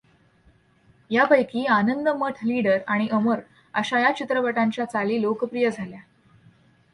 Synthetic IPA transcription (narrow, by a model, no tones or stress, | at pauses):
japəjkiːanənd̪əməʈʰliɽəɾaɽ̃iʔəməɾ | əɕajat͡ɕit̪ɾəpəʈaɲt͡ɕjat͡saliːlokəpɾijəd͡zʱalja